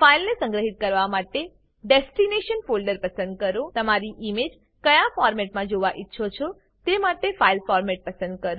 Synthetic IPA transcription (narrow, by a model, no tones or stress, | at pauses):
failnesə̃ŋɡɾəɦit̪̚kəɾʋamaʈe | ɖesʈineʃənfolɖəɾpəsənd̪̚kəɾõt̪əmaɾiʔimed͡ʒ | kəjãfɔɾmɛʈmãd͡ʒoʋaʔitːʃʰot͡ʃʰɔ | t̪emaʈefailfɔɾmɛʈ̚pəsə̃nd̪̚kəɾo